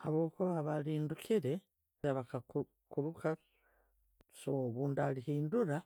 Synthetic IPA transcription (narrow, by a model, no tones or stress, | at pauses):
haβo̞ːkuβaβaliːndukiɾe̞ | aβakak | kuɾuka | soβuːndalihiːnduɾa